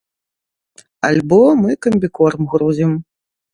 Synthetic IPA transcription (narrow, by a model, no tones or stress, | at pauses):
a̰lʲbɔmɨkɐmʲbʲikɔrmɣɾuzʲim